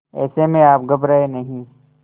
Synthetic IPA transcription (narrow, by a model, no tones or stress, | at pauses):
ɛ̰ːsemẽaːp̚ɡɐbɾaenɐɦĩː